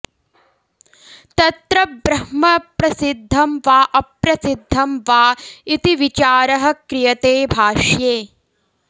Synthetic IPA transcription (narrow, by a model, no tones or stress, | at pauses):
t̪ɐt̪ɾɐbɾɐhmɐpɾɐsid̪ʱːɐmʋaːʔɐpɾɐsid̪ʱːɐmʋaːit̪iʋit͡ʃaːɾɐɦɐ̆kɾijɐt̪eːbʱaːʂjeː